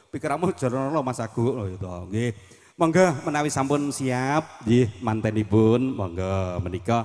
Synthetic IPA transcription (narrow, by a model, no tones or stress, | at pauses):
pikəɾamʊ̥d͡ʒ̥ʒ̥ɔ̤ɾɔnɔlɔmasaɡ̥uʔojut̪ɔŋɡwe | mɔŋɡɔmənawisampʊnsiap̚d͡ʒɪhmant̪ɛnibʊnmɔŋɡɔmənikɔ